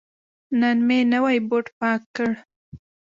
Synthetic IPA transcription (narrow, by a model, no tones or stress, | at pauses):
nanmenəwajboʈpɑkːəɽ